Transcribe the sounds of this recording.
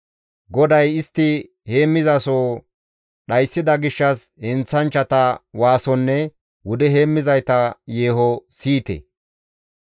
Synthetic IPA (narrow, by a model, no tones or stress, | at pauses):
ɡɔd̪ɐjɪst̪ːɪ | heːmːɪzɐsoː | ɗɐjsːɪd̪ɐɡɪʃːɐshɛnt͡sːɐnt͡ʃːɐt̪ɐwaːsɔnːɛ | wʊd̪ɛɦe̞ːmːɪzɐjt̪ɐjeːhɔsiːt̪ɛ̰